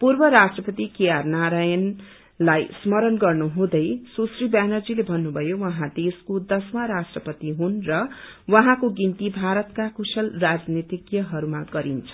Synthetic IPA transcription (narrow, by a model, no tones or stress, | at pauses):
purbʌɾasʈrʌpʌt̪ikejarnaɾajʌn | lajsmʌɾʌnɡʌrnuɦũd̪ʌjsusribanʌrd͡zilebʱʌnːubʱʌjowʌɦãd̪eskod̪ʌsmaɾasʈrʌpʌt̪iɦunrʌwʌɦãkoɡint̪ibʱaɾʌt̪kakusʌlrad͡znit̪ikjʌɦʌɾumaɡʌɾint͡sʰʌ̥